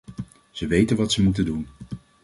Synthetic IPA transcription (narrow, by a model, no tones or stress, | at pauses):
z̥əʋejtənʋɑtsəmutəndun